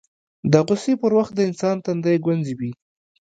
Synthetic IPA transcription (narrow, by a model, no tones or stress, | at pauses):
d̪əɣʊsepəɾwaxt̪̚d̪əɪnsɑnt̪and̪ajɡwanziwi